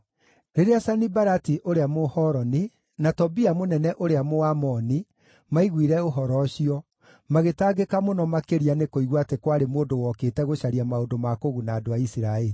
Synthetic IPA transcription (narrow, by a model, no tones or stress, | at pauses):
ɾeɾeasanibaɾatiʔoɾeamohɔɾɔni | natɔbiamonɛnɛʔoɾeamoamɔni | maiɣwiɾɛoɦɔɾɔɕiɔ | maɣetaːɡekamonɔmakeɾianekoiɣwatekwaɾemoːdowɔkeːtɛɣoɕaɾiamaondomakoɣunaːdoaisiɾaeɾi